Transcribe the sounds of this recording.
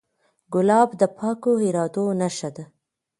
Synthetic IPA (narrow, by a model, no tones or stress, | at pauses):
ɡʊlɑbd̪əpʰɑkoɪɾɑd̪onaʃad̪a